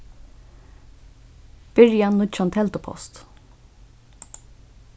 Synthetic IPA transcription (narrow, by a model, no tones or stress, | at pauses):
b̥ɪɹjanːʊt͡ʃɔnt̪ʰɛlt̪ʊpʰɔ̰st̪